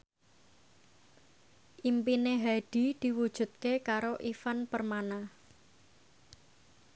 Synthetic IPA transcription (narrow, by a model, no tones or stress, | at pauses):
ʔimpineɦaɖ̥i̤d̪̥i̤wud̥ʒ̥ṳt̪̚kekaɾoʔifanpərmanah